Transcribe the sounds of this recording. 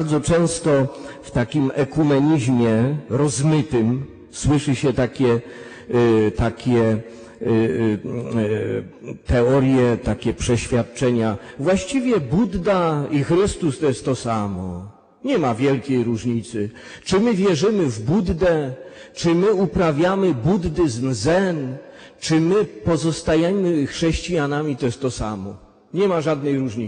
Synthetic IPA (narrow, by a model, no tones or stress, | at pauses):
ɾd̪zɔt͡ʂɛ̃w̃st̪ɔft̪akʲimɛkumɛɲiʑmʲjɛɾɔzmɘt̪ɘm | swɘʂɘɕɛt̪akʲɛ | t̪akʲɛ | t̪ɛɔɾjɛt̪akʲɛpʂɛɕfʲjat̪̚t͡ʂɛɲavwaɕt͡ɕivʲjɛbud̪ːaixɾɘst̪ust̪ɔjɛst̪ːɔsamɔ̰ | ɲɛmavʲjɛlkʲejɾuʐɲit̪sɘ | t͡ʂɘmɘvʲjɛʐɘmɘvbud̪ːɛt͡ʂɘmɘupɾavʲjamɘbud̪ːɘzmzɛn | t͡ʂɘmɘpɔzɔst̪ajɛmɘxʂɛɕt͡ɕijanamʲit̪ɔjɛst̪ːɔsamɔ | ɲɛmaʐad̪nɛjɾuʐɲi